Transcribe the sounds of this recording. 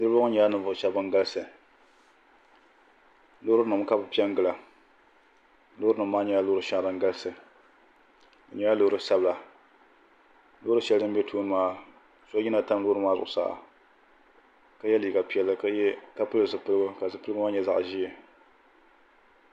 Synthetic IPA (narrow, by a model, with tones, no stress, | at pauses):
nɨ˦ɾɨ˦bo˦ʊ˦ɲɛ˨˦a˦nɨ˨vʊ˦ʔʃa˦bɨ˦ŋ˦ɡa˦lsɨ˨ | loː˦ɾɨ˦nɨ˨m˦ka˦bɨ˨pi˦ɛ˦ŋ˦ɡɨ˨la˨ | loː˦ɾɨ˦nɨ˨mː˦aː˦ɲɛ˨˦a˦lʊ˦ɾɨ˦ʃa˦˨ɾɨ˨ŋ˦ɡa˦lɨ˦sɨ˨ | ɨ˨ɲɛ˨˦ja˦lo˦ɾɨ˦sa˦bla˨ | loː˦ɾɨ˦ʃɛ˦ldɨ˦m̩˦bʲɛ˦tʰoː˦nɨ˦maː˦ | so˦i˦na˨ta˦m˦lʊː˦ɾɨ˦maː˦zʊ̰˨ʔʊ˨sa̰ː˦˨ʔa̰˨ | ka˦jɛ˦liː˨ɡa˨pi˦ɛ˦lːɨ˦ka˦pɨ˦˨ɨ˨sɨ˨pɨ˦lɨ˦ɡɨ˦ka˨zɨ˦pɨ˦lɨ˦ɡɨ˦ma˦ɲɛ˦za̰˨ʔʒiː˦ɛ˨